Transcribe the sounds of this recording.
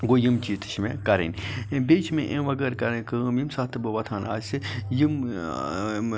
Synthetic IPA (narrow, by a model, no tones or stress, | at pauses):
ɡoːjimt͡ʃiːt̪ɨ̥ʃmẽkɐɾḛnʲbeːt͡ʃʰmḛ̃ʔẽʋɐɡɐɾkɐɾẽkɨmjimsaːt̪ʰɨbɐʋɐt̪ʰaːna̰ːsejim